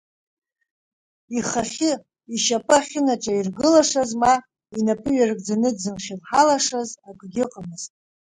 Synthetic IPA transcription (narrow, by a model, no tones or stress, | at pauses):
iχaχʲɪ | iʃapʼaχʲɪnaʈ͡ʂʼairɡɨlaʂazma | inapʼɨɥarɨɡʼd͡zanɨdzɨmχʲɪlħalaʂazaɡʷʼɡʲɪqʼamɨz̥tʼ